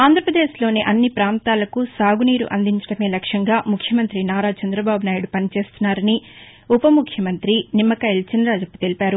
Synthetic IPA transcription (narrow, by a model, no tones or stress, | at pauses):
aːnd̪ʱɾɐpɾɐd̪e̞ːʃlo̞ːniʔɐnːipɾaːnt̪aːlɐkusaːɡuniːɾṵʔɐnd̪iɲt͡ʃɐ̥ɽɐme̞ːlɐkʂɐŋɡaːmukʰjɐmɐnt̪ɾinaːɾaːt͡ʃɐnd̪ɾɐbaːbunaːjuɽupɐnit͡ʃe̞ːst̪unːaːɾɐni | upɐmukʰjɐmɐnt̪ɾinimːɐkɐelt͡ʃɐnɾaːd͡ʒɐpːu̥t̪e̞lipaːɾu